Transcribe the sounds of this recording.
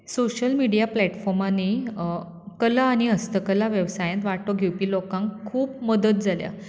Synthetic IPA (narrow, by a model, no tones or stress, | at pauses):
soɕəlmiɽijaplɛʈfɔɾmani | kəlaːɽ̃iəst̪əkəlaʋjəʋsajãnt̪ʋaʈoɡʱewpiːlokãŋkkʰuːp̚məd̪ət̪̚d͡zʱalja̰